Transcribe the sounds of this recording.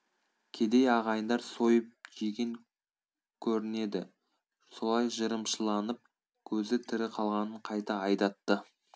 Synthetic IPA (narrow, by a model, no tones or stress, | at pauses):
kʲʰe̞d̪e̞jɑʁɑjənd̪ɑɾso̞jəp̚ʒiɡʲe̞ŋ | kʲʰɵɾɪne̞d̪ɪ̰ | so̞lˠɑjʒəɾəmʃəlˠɑnəp̚ | kʲʰɵzɪt̪ʰɪɾɪqʰɑlˠʁɑnəɴqʰɑjt̪ɑɑjd̪ɑt̪ːə